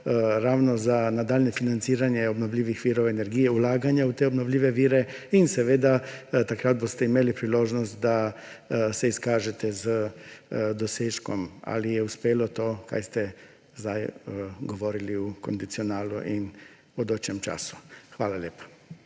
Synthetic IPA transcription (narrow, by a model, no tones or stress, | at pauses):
ɾaːwnozanad̪aːlʲnefinant̪siːɾanjɛobnoʋlʲiːʋixʋiːɾowenɛɾɡiːjɛulaːɡaɲjaut̪eobnoʋlʲiːʋeʋiːɾɛinsɛʋeːd̪at̪akɾaːd̪̚bost̪ɛimeːlipɾiloːʒnɔst̪̚d̪a | sɛiskaːʒɛt̪ɛzə | d̪oseːʃkɔma̰lijɛuspeːlot̪oːka̰jst̪ɛ | zd̪ajɡoʋoːɾiliukond̪it̪sionaːluʔin | od̪oːt͡ʃjɛmt͡ʃa̰ːsu̥xʋaːlalʲjeːpḁ